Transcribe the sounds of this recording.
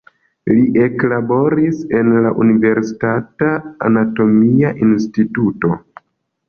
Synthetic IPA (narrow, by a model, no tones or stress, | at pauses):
liʔe̞klabo̞ɾise̞nlaʔunive̞ɾsi̥tata̰ːnato̞miaʔinstituto̞